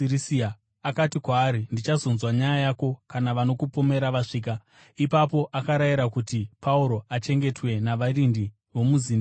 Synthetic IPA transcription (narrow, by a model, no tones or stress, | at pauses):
irisia | akatikwaːɾindit͡ʃazonzwaɲajajako̞kanaʋano̞kupome̞ɾaʋaʂiːk̬a | ipap̬o̞ʔakaɾajiɾakutipauɾo̞at͡ʃe̞ŋɡe̞twe̞naʋarindi | ʋo̞muziːnda